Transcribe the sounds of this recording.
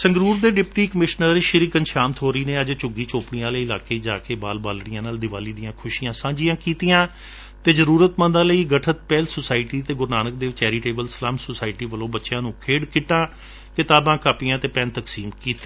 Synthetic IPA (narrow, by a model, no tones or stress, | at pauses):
səŋɡɾuːɾd̪eːɖɪpʈiːkəmɪʃnəɾʃɪɾiːkənʃaːmt̪ʰɦoːɾəiːneːəd͡ʒt͡ʃʊɡiːt͡ʃoːpɽijãːləiːɪlaːkeːd͡ʒaːkeːbaːlbaːlɽɪjãːnaːld̪ɪʋaːliːd̪ijãːkʰʊʃijãːsãːd͡ʒɪjãːkiːt̪ɪjãː | t̪eːzəɾuːɾət̪mə̃nd̪ãːləiːɡəʈʰət̪̚pɛːlsʊsaːɪʈiːt̪eːɡʊɾnaːnək̚d̪eːʋt͡ʃɛːɾiːʈeːbəlsəlaːmsʊsaːɪʈiːʋəlõːbətːʃjãːnũːkʰeːɽkɪʈːãː | kɪt̪aːbãːkaːpɪjãːt̪eːpɛːnt̪əksiːmkiːt̪ːeː